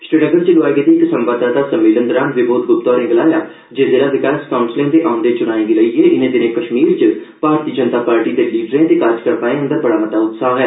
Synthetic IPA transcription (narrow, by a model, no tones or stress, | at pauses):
sɾɪnəɡəɾt͡ʃelʊaːeɡet̪eːksə̃mpaːd̪aːt̪aːsəmːiːlə̃nd̪əɾaːnʋɪboːt̪̚ɡʊpt̪ɔːɾẽɡəlaːjaː | d͡ʒeːzɪlaːʋɪkaːskaːʊnsɪlẽt̪eʔaʊ̃nd̪et͡ʃʊnaːẽːɡiləieːʔɪnẽːd̪ɪnẽːkəʃmiːɾt͡ʃə | b̥ʱaːɾt̪iːəd͡ʒənt̪aːpaːɾʈiːd̪eliːɖɾẽːt̪ekaːɾd͡ʒkəɾpaːẽɦə̃nd̪əɾbəɽaːmət̪aːʊt̪saːɦɛː